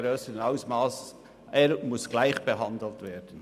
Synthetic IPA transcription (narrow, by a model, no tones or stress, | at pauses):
ɾøːsəɾənaʊsmɑːs | ʔeːɾmʊsɡ̥laɪxb̥eɦɑndl̩ˠtveːɾd̥n̩